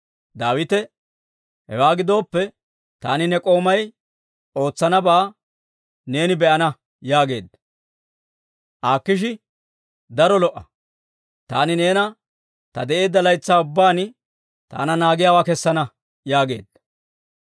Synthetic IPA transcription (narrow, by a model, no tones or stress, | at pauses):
d̪aːwɪt̪ɛ | hɛ̰waːɡɪd̪o̞ːpːɛ | t̪a̰ːnɪnɛkʼo̞ːmɐj | o̞ːt͡sːɐnɐbaː | ne̞ːnɪbɛʔɐnɐ | jaːɡe̞̰ːd̪ːɐ | ʔaːkːɪʃ̬ɪ | d̪ɐɾɔlɔʔːɐ | t̪aːnɪne̞ːnɐ | t̪ɐ̰d̪ɛʔe̞ːd̪ːɐlɐjt͡sːaːʊbːaːn | t̪a̰ːnɐnaːɡɪjaːwaːkɛsːɐnɐ | jaːɡe̞̰ːd̪ːɐ